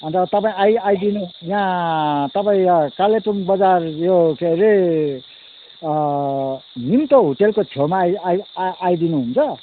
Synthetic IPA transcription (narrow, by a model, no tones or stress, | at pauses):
ʌnt̪ʌt̪ʌpaĩajajd̪inujãt̪ʌpaĩkalepunbʌd͡zarjokʰeɾe | nimt̪oɦuʈelkot͡sʰemajajd̪inuɦunt͡sʰʌ